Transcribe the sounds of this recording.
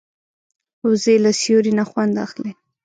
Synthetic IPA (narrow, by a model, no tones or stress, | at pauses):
ozelasjoɾinaxwand̪a̰xle